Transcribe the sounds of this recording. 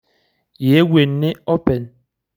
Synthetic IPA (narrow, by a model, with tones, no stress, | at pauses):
je˨˦we˨nːe˦o˦pɛ˨n